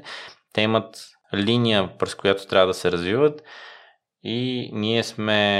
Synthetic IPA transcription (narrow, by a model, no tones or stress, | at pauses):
t̪ɛimət̪ | linijəpɾɛskojat̪ot̪ɾʲavəd̪ɐsɛɾɐzvivət̪ | iniɛsmɛ